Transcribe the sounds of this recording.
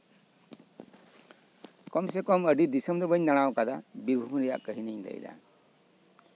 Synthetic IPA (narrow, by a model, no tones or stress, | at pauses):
kɔmsɛkɔməɖid̪isəmd̪ɔbəɲnaɽ̃awkad̪abiɾbʱumɾɛja̰ʔkəɦiniɲd̪ɛ̰jd̪a̰